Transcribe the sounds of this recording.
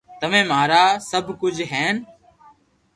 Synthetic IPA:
t̪əʋẽːmaːɾaːsəbʱkʊd͡ʒʱɦɛːn

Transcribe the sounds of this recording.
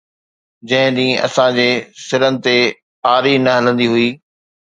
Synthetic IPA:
d͡ʑɐ̃ɦɪ̃d̪ĩːɐ̰sãd͡ʑeːsɪɾənɪ̆t̪e | aːɾinɐɦɐlə̃nd̪iɦʊiː

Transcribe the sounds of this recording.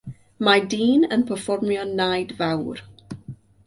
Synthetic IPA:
majdiːnənpʰəfɔrmjɔnːajdvawr

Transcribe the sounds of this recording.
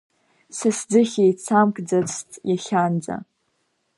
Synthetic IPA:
sasd͡zɨχʲejt͡sʰamkʼd͡zat͡sʰtʼjaɬʲand͡za̰

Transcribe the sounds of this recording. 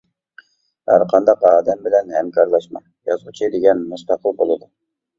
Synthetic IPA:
hæɾqʰɑnd̪ɑqɑːd̪ɛmbɪlɛnhɛmkʲʰɑɾlˠɑʃmɑ | jɑzʁut͡ʃʰid̪eɡʲɛnmust̪ɑqʰəlˠbolˠɨd̪u

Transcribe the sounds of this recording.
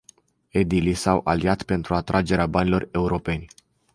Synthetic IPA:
ed̪ilisawʔalijat̪pe̞nt̪ɾuat̪ɾʔad͡ʒe̞ɾeabanilo̞re̞uɾo̞pe̞nʲ

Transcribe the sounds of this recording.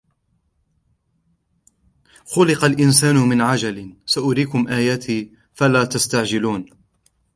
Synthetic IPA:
xʊlɪqɑlʔɪnsaːnʊmɪnʕad͡ʒalsaʔʊɾiːkʊmʔaːjaːt̪ʰiː | falaːt̪ast̪aʕd͡ʒɪluːn

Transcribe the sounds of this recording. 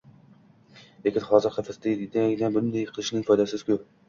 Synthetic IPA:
lekʲɪnχɒzɪɾχafɪst̪ɪd̪d̪ŋʲd̪anbʊnd̪ajqʰɨlˠɪʃnɪŋfɒjd̪asɪzkʰʲʊp̚

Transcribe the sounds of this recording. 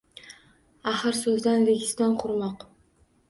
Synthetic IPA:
aχɨɾsɵzd̪anɾeɡʲɪsd̪anqʰʊɾmɒq

